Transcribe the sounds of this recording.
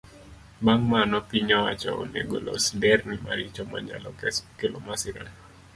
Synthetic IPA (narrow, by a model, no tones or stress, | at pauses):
maŋmanɔpiɲɔwat͡ʃɔo̰nḛɡolɔ̰sdɛrnɪmaɾit͡ʃɔmaɲa̰lɔkskelɔmasɪɾa̰n